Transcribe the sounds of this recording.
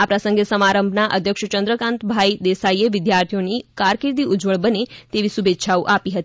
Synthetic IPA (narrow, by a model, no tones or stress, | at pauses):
apɾəsəŋɡesəmaɾəmbʱnaʔəd̪ʱjəkʃt͡ʃənd̪ɾəkãnt̪bʱajd̪esaieʋɪd̪jaɾt̪ʰijonikaɾkiɾd̪iʔud͡ʒʋəɭbənet̪eʋisubʱetːʃʰauʔapiɦət̪i